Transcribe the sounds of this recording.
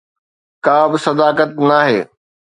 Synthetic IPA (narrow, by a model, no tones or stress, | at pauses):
kaːbɪsɐd̪aːkət̪naːɦḛː